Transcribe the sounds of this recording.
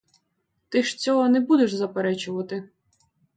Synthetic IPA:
t̪ɪʃt͡sʲɔɦɔnɛbud̪eʃzɐpeɾɛt͡ʃʊʋɐt̪ɪ

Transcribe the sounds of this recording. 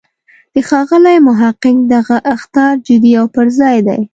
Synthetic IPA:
d̪̥əxɑɣəlajmʊɦaqɪŋd̪aɣaʔaxt̪ɑɾd͡ʒɪd̪iawpəɾzɑjd̪a̰j

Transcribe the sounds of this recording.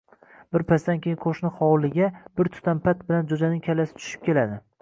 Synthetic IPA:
bɪɾpʰasd̪ankʲʰejɪnqʰoʃnɪχɒwlɪɡʲab̥ɪɾt̪ʰʊ̥t̪ʰampʰat̪̚bɪland͡ʒod͡ʒanɪŋkʲʰalasɪ̥t͡ʃ̪ʰʊ̥ʃɪ̥p̚kʲe̞lad̪ɪ

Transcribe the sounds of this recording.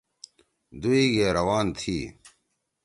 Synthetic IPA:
d̪uiːɡeːɾɐwaːnt̪ʰiː

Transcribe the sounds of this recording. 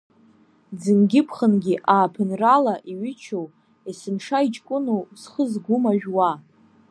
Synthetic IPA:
d͡zɨmɡʲɪpʰχənɡʲiʔaːpʰɨnralaʔiɥɪt͡ʃʰow | isɨnʂait͡ʃʼkʷʼʊnowsχəzɡʷʊmaʒᶣwa

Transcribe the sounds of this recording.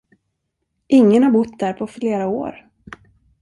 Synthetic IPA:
ʔɪŋːənhaɾbʊt̪ːd̪æːɾpʰɔfleːɾao̰ːɾ

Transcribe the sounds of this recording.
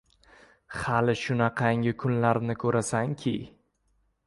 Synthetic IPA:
halɪʃʊnaqʰɑŋʲɪkʰʊnlaɾnɪkʰɵɾasaŋkʲʰɪ̰

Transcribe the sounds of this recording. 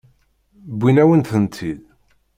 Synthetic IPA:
bʷːinæwənθənt̪ʰið

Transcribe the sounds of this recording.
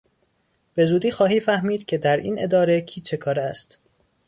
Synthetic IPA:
b̥e̞zuːd̪iːxɒːɦiːfæhmiːd̪cʰe̞d̪æɾḭːne̞d̪ɒːɾe̞cʰiːt͡ʃʰe̞kʰɒːɾæst̪

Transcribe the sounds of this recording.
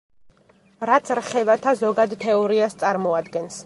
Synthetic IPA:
ɾat̪sʰɾχɛvat̪ʰazɔɡad̪t̪ʰɛɔɾiast̪sʼaɾmɔad̪ɡɛns

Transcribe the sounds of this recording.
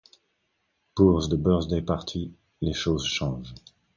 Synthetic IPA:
puʁzd̪əbœʁzd̪epaʁt̪ʰi | leʃozʃɑ̃ʒ

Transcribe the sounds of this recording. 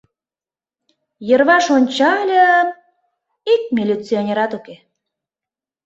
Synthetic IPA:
jərβɑʃonʲt͡ɕɑlʲə | ik̚mʲilʲit͡sionʲeɾɑt̪uke

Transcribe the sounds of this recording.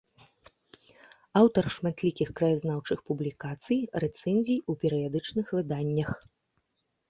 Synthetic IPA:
awt̪ɐrʂmat̪lʲikʲixkɾɐjazn̪awt͡ʂɨxpublʲikat̪sɨjrɛt̪sɛnʲzʲijupʲɛɾɨjad̪ɨt͡ʂnɨxvɨd̪anʲːɐx

